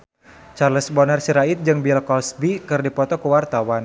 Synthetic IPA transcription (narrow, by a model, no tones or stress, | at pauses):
t͡ʃarləsbɔnərsiɾait̪̚d͡ʒɨŋbilkɔlsbikɨrdipɔt̪ɔkuwart̪awan